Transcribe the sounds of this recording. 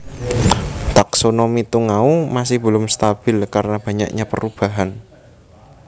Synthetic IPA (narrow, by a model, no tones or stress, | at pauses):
t̪aksonomit̪uŋaumasɪhb̥ə̤lʊmst̪ab̥ɪlkaɾnab̥a̤ɲa̰kɲapə̰ɾub̥a̤ɦan